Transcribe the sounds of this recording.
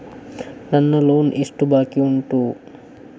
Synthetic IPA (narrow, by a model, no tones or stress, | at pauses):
nɐnːɐloːnʔiʂʈubaːkiuɳʈu